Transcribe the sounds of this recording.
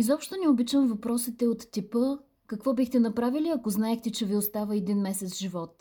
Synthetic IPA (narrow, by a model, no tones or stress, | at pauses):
izɔpʃt̪onɛobit͡ʃəmvɐpɾɔsit̪ɛot̪ːipə | kəkvɔbixt̪ɛnɐpɾaviliɐkoznaɛxt̪ɛt͡ʃɛviost̪avəɛd̪inmɛsɛt̪sʒivɔt̪̚